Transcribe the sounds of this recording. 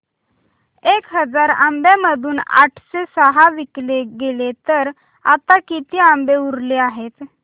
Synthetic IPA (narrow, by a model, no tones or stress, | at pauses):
ekɦəd͡zaɾambjaməd̪ʱuːna̰ʈʰsesəɦaʋikleɡelet̪əɾ | at̪akit̪iambeuɾleaɦet̪